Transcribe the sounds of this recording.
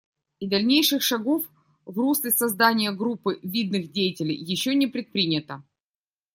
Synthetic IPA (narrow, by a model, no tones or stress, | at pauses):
id̪ɐlʲnʲejʂɨxʂɐɡo̞f | vruslʲɪsɐzd̪anʲɪjəɡɾupːɨvʲid̪nɨxdʲejɪtʲɪlʲɪjjːɪɕːonʲɪpɾʲɪt̪̚pɾʲinʲɪt̪ə